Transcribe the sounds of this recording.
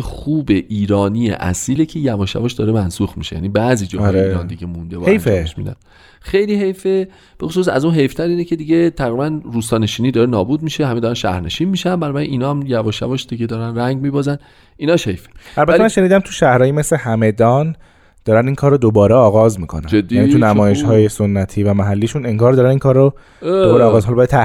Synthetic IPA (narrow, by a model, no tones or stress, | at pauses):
xuːbe̞ʔiːɾɒːnijḛʔæ̰siːlecʰe̞jævɒːʃæ̰vɒːʃd̪ɒːɾemænsuxmḭʃejæ̰nibæziːd͡ʒɒːjɾeiːɾɒnd̪iɟʲemũnd̪ebɒ̰hejfeeʃmḭd̪æ̰n | xejliːɦe̞jfe | b̥e̞xosuːsæ̰zunɦe̞jft̪ʰæɾiːnecʰe̞d̪iɟet̪ʰæɣɾibænɾuːst̪ɒːne̞ʃiːniːd̪ɒːɾenɒːbuːd̪̚miʃehæmed̪ɒːɾænʃæ̰hɾne̞ʃiːnmiːʃænbænɒːbæɾinʔiːnɒːæmjævɒːʃævɒːʃd̪̥iɟed̪ɒːɾænræŋɟmiːbɒːzæn | ʔinɒːʃhejfeʔælbæt̪ʰemænʃe̞niːd̪æmt̪ʰuʃæhɾɒːjimeslehæmed̪ɒːn | d̪̥ɒːɾæniːŋkʰɒːɾod̪obɒːɾeɒːɣɒzmiːkʰonæ̰d͡ʒed̪ːijæniunæmɒːje̞ʃhɒːjesonːæt̪ʰiːvæmæɦælːiːʃuneŋɡɒːɾd̪ɒːɾæniŋkʰɒːɾo | dobɒːɾeɒːɣɒːzɦɒlɒbæjæt̪ʰæ